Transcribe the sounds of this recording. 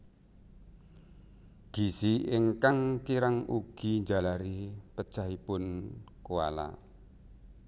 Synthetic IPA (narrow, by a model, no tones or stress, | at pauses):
ɡ̥i̤siiŋkaŋkiɾaŋuɡ̥i̤ɲd͡ʒalaɾipə̥t͡ʃaɦipʊn | koa̰la̰